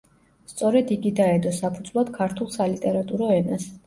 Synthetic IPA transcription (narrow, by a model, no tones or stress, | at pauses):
st̪sʼɔɾɛd̪iɡid̪aɛd̪ɔsapʰud̪zlˠad̪̥kʰaɾt̪ʰulˠsalit̪ʼɛɾat̪ʼuɾɔɛnas